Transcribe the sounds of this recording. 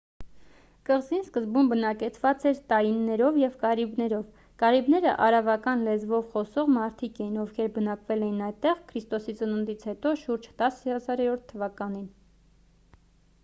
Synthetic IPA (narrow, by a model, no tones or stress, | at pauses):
kəʁzinskəzbumbənɑkɛt͡sʰvɑt͡sɛɾt̪ɑjinːɛɾɔvjɛvkɑɾibnɛɾɔv | kɑɾibnɛɾə̰ʔɑɾɑvɑkɑnlɛd͡zvɔvχɔsɔʁmɑɾt̪ʰikɛjinɔfkʰɛɾbənɑkvɛlɛjinɑjt̪ɛʁkʰɾist̪ɔsit͡sənənd̪it͡sʰhɛt̪ɔʃuɾd͡ʒt̪ɑsəhɑzɑɾɛɾɔɾt̪ʰːəvɑkɑnin